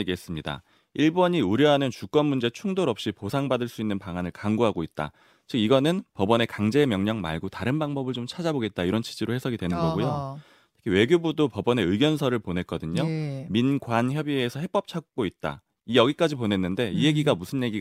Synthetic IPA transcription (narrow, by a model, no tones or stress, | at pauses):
eɡiɦes͈ɯmɲida̰ | iɭbʌɲiuɾjʌɦanɯnt͡ɕuk͈ʌnmund͡ʑe̞t͡ɕʰuŋdoɾʌp̚ɕ͈iposʰaŋbadɯɭs͈uinːɯnpaŋanɯɭkaŋɡoɦaɡoit̚t͈a̰ | t͡ɕɯkiɡʌnɯnpʌbʌne̞kaŋd͡ʑe̞ːmjʌŋɲʌŋma̰ɭɡotaɾɯnbaŋbʌbɯɭt͡ɕomt͡ɕʰad͡ʑaboɡe̞t̚t͈aiɾʌnt͡ɕʰi̥d͡ʑiɾohe̞sʰʌɡidwe̞nɯnɡʌɡujo | tʰɯ̥kʰiwe̞ɡjobudopʌbʌne̞ɯɡjʌnsʰʌɾɯɭponɦe̞t̚k͈ʌdɯɲominɡwançjʌbieːsʰʌhe̞p͈ʌp̚t͡ɕʰak̚k͈oit̚t͈a̰ | ijʌɡik͈ad͡ʑipone̞nːɯnde̞ije̞ɡiɡamusʰɯnje̞ɡi